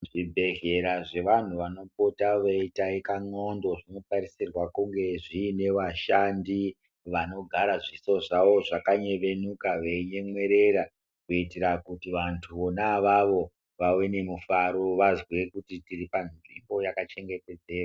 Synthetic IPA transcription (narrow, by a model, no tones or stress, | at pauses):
ʐibʱe̞ɦe̞ɾaʐe̞ʋan̤uʋano̞potaʋeitaekaŋo̞ndo̞ʐino̞paɾisirwakuŋɡe̞ʐiːne̞ʋaʃandi | ʋano̞ɡʱaɾaʐiso̞ʐaʋo̞ʐakaɲe̞ʋe̞nukaʋeɲe̞mwe̞ɾe̞ɾa | kuitiɾakutiʋantʰuonaʋaʋo̞ | ʋawe̞ne̞mufaɾo̞ʋazwekutitiripanʐimbo̞jakat͡ʃe̞ŋɡe̞te̞d͡ze̞ːrwa